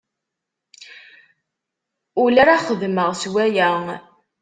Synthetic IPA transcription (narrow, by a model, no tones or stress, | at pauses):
ʊlæɾaχəðməʁswæjæŋ